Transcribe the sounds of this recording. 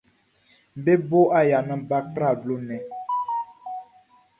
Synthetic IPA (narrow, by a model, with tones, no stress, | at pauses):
m̩˨be˦bo˦a˦ja˨nə˦ba˦kɾa˦˨blo˦nɛ˨